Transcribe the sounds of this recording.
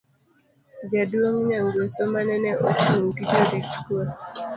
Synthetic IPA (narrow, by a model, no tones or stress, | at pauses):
d͡ʒadwoŋɲaŋɡwesɔmanɛnɛʔot͡ʃuŋkid͡ʒoɾit͡ʃkua